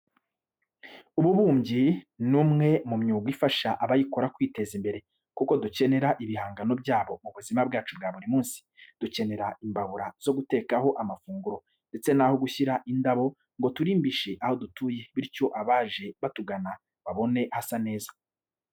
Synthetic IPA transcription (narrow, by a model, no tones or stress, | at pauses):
uβuβuːmɟinumŋe̞mumɲuːɡwifaʃaʔaβajiko̞ɾakwiːte̞zimbe̞ɾe̞ | kuko̞duce̞ne̞ɾaʔiβihaːŋɡano̞bɟaːβo̞muβuzimabɡaːt͡ʃubɡaːβuɾimuːnsi̥d̥uce̞ne̞ɾaʔimbaβuɾaz̥o̞ɡute̞ːkaɦo̞ʔamafuːŋɡuɾo̞ | nde̞t͡se̞naho̞ɡuçiɾaʔindaβo̞ | ŋɡo̞tuɾiːmbiʃe̞ʔaho̞dutuːje̞βiɾco̞ʔaβaːʒe̞βatuɡana | βaβo̞ne̞hasane̞ːza